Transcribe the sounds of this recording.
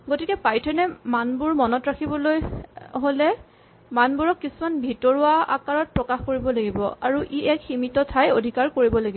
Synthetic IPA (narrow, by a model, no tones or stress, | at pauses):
ɡotikɛpajtʰɛnɛmanbuɹmɔnɔtɹakʰibɔlojɦolɛ | manbuɹɔkːisumanbʱitɔɹuaa̰kaɹɔt̚pɹɔkaxkoɹibɔlaɡibɔ̰aɹuʔiʔɛkximitɔtʰajodʱikaɹkoɹibɔlaɡiɔ